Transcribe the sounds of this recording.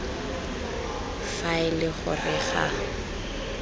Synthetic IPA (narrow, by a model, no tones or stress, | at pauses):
faɪlɪχʊ̰rɪχa̰